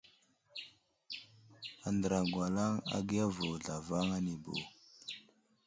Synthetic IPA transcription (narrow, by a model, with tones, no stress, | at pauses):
a˨ndə˨ɾa˨ɡwa˨la˦ŋa̰˦ɡi˦a˦vo˨ɮa˨va˦ŋa˦ni˨bo̰˨